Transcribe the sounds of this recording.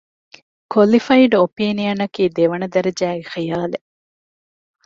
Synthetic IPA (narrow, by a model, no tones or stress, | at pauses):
kʰolifɐiɖopiːnijɐnɐkiːd̪eʋɐnɐd̪ɐɾɐd͡ʒæːɡexijaːle